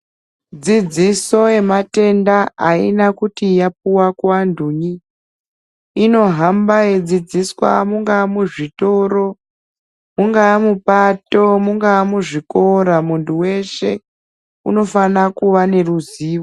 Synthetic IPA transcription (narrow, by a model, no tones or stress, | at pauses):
d͡zid͡ziso̞e̞mate̞ndaaḭnakutijap̚uwakuanduɲi | no̞ɦambaed͡zid͡ziswa̰muŋɡamuʐito̞ɾo̞ | muŋɡaːmupato̞muŋɡaːmuʐiko̞ɾamuntuwe̞ʃe̞ | ṵno̞fanakuʋane̞ruziːʋo